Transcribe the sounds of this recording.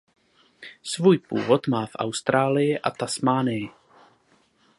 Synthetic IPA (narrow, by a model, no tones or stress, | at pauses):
svuːjpṵːvot̪maːfʔa̰wst̪ɾaːlɪjɪʔa̰t̪asmaːnɪjɪ